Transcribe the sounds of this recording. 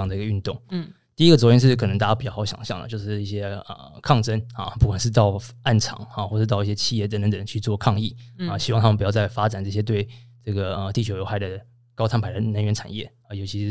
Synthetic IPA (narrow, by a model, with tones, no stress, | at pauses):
ɑ˥ŋd̪ə˩i˧˥ɡə˧y˥˧nt̪ʊ˥˩ŋ | t̪i˥˩i˥ɡə˩t͡swɔ˧˥t̪ʰjɛ˥ʂɻ̩˥˩kʰnə˧˦ŋt̪a˥˩ja˥pi˨˩t͡ɕɑ˥˩ɑ˧˥ʊjɑ̰˨˩ŋɕjɑ˥˩ŋd̪ə̰˩t͡ɕjo˥˧ʊʂɻ̩˥˧i˥˩ɕjɛ˥ə̰˩kʰɑ˥˩ŋʈ͡ʂə˥nɐ̰˧pu˥˩kwa˨˩nʂɻ̩˥˧t̪ɑ˥˩ʊa˥˩nʈ͡ʂʰɑ̰˨˩˦ŋa˥˩xwɔ˥˧ʂ̩˥˧t̪ɑ˥˧ʊi˥˩ɕjɛ˥t͡ɕʰi˥˧jɛ˥˩t̪ə˧˥nt̪ə˧˦nt̪ə˨˩ŋt͡ɕʰy˥˧t͡swɔ˥˧kʰɑ˥˧ŋi˥˩ə˧˩ɕi˧˥wŋt̪ʰmə˧˩pu˧˩jɑ˥˧t͡sa˥˩ɪfa˥t͡sa˨˩nʈ͡ʂɤ˥˩ɕjɛ˥t̪we˥˩ɪʈ͡ʂɤ˥˩ɡə˩ə˩t̪i˥˩t͡ɕʰo˧˥ʊjo˧˥ʊa˧˥ɪd̪ə˩ | kɑ˥ʊt̪ʰa˥npʰa˧˥ɪd̪ə˧˦nə˧˥nɥɛ˧˥nʈ͡ʂʰa̰˨˩njɛ̰˥˩ | ə˩jo˧˥ʊt͡ɕʰi˧˥ʂ